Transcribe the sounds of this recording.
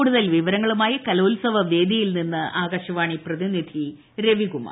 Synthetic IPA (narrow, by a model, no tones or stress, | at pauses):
uːɽuðɐlʋiʋɐɾɐŋːɐɭumaːjɐkɐloːlsɐʋɐʋe̞ːd̪ijilninːɨʔaːɣɐɕɐʋaːɳiprɐðinid̪ʱi | ɾe̞ʋiɣuma̰ː